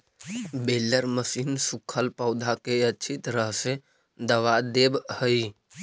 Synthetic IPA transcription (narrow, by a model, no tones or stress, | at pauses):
belːəɾməsinsukʰəlpəʊd̪ʱakeətːt͡ʃʰit̪ɾəɦse | d̪əʋad̪ebhəj